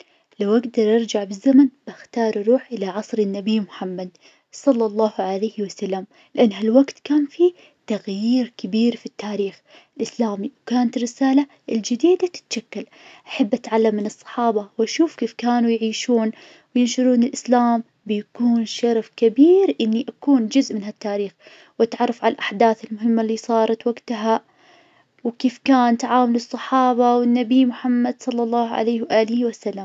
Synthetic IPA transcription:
lawʔaɡd̪ɑɾˤʔɑɾˤd͡ʒaʕbɪzːamanb̥axt̪ɑːɾˤʔɾˤuːħʔɪlaʕɑsˤɾɪnːabijːmʊħamːad̪̚ | sˤɑlːɑlˤːɑːhʕalajhwasalːam | lɪʔanːɦalwaɡt̪kaːnfi | t̪aɣjiːɾkɪbiːɾfit̪ːaːɾiːx | ɪlʔɪslaːmiwkaːnat̪ɾɪsaːla | ʔɪld͡ʒɪd̪iːd̪at̪ɪ̥t̪ʃakːal | ʔaħabːʔat̪ʕalːamːɪnɨsˤːɑ̥ħɑːbɑwʔaʃuːfkeːfkaːnujʕiːʃuːn | wjɪnʃʊɾuːnɪlʔɪslaːm | bɪjakuːnʃɑɾˤfkabiːɾʔɪnːiʔakuːnd͡ʒʊzʔmɪnɦat̪ːaːɾiːx | wʔat̪ʕɑrˤːɑfʕalalʔaħd̪aːθɪlmʊɦɪmːalːiːsˤɑːɾˤɑt̪waɡt̪ɦa | wkeːfkaːnt̪aʕaːmʊlɨsˤːɑħɑːbawɪnːabijmʊħamːad̪sˤɑlːɑlˤːɑːhʕa̰lajːhwʔaːlɪhwasalːam

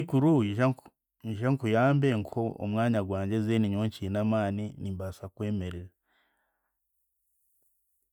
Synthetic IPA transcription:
ikuɾuiʒa | iʃaŋkujaːmbeŋkʰoo̰mŋaːɲaɡwaːɲɟe̞zeniɲoɲcinamaːninimbasakwe̞ːmeɾeɾa

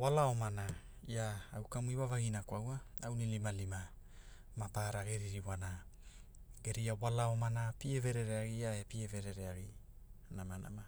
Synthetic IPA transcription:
walao̞mana | iaawkamuiwavaɡinakawaawnilimalima | mapaɾaɡeɾiɾiwana | ɡe̞ɾiawalao̞manapieve̞ɾe̞ɾeaɡiaepieve̞ɾe̞ɾeaɡi | namana̰ma

